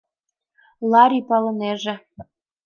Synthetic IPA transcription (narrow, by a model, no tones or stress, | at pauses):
lɑɾʲipɑlɤ̆neʒĕ